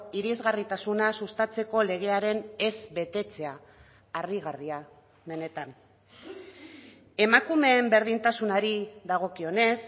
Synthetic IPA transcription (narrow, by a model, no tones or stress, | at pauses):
iɾizɣarit̪asunasust̪at͡se̞ko̞le̞ɣ̞e̞aɾe̞ne̞zβe̞t̪e̞t͡se̞aː | riɣaria | me̞ne̞t̪an | e̞makume̞ːmbe̞ɾð̞int̪asunaɾiðaɣ̞o̞kio̞ne̞s